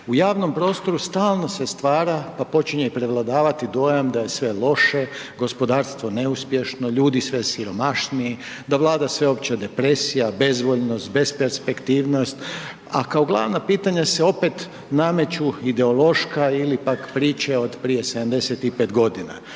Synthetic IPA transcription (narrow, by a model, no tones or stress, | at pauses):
ujaːʋno̞mpɾo̞ːst̪o̞ɾust̪aːlˠno̞se̞st̪ʋaːɾapapo̞t͡ʃiɲeipɾeʋlˠad̪aːʋat̪id̪o̞ːjamd̪aje̞sʋe̞lˠo̞ʃe | ɡo̞spo̞d̪aːɾst̪ʋo̞ne̞uspje̞ʃno̞ʎuːd̪isʋesiɾo̞maʃnii | d̪aʋlˠaːd̪asʋeo̞pt͡ʃed̪e̞pɾesijabe̞zʋoʎno̞st̪be̞speɾspekt̪iːʋnost̪ | a̰kaoɡlˠa̰ʋnapiːt̪aɲase̞o̞pet̪ | name̞t͡ɕuid̪eolˠo̞ʃkailipakpɾiːt͡ɕeo̞d̪pɾije̞se̞d̪amd̪e̞set̪ipeːt̪ɡo̞d̪ina̰